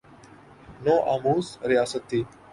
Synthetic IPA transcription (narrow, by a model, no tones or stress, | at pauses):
noːʔaːmuːsɾɪjaːsət̪ʰːiː